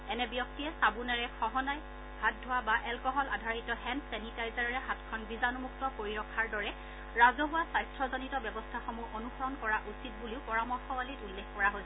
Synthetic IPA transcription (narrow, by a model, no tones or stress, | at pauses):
ɛnɛbjɔk̚tiɛsabunaɹɛxɔɦɔnaj | hat̚dʱʊabaʔɛlkɔɦɔladʱaɹitɔhɛnsɛnitajzaɹɹɛɦatkʰɔnbizanumuk̚tɔpoɹiɹɔkʰːaɹdɔɹɛ | ɹazɔɦʊwasajstɹɔzɔnitɔbjɔbɔstʰaxɔmuʔonuxɔɹɔnkɔɹaʔusit̚buliʊpɔɹamɔɹxɔwalitulːekʰkɔɹaɦojsɛ